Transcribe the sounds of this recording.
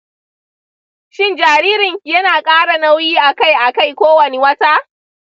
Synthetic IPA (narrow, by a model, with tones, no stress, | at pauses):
ʃɪ˦nd͡ʒaː˨ɾiː˦ɾɪ˨ɲjɐ˦naː˨kʼaː˦ɽa˨nɐ˦wjiː˦ʔa˨ka˦jʔa˨ka˦˨jkʷoː˦wɐ˨ne˦wɐ˦taː˦